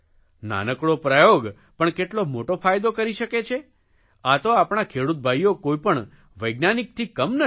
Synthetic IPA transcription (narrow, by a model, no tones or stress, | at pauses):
na̰nəkɽopɾajoɡ | pəɳkeʈlomoʈofajd̪okəɾiʃəket͡ʃʰe | at̪oapɳ̃akʰeɽut̪̚bʱajːokojpəɳ | ʋəjɡnanik̚t̪ʰikəmnə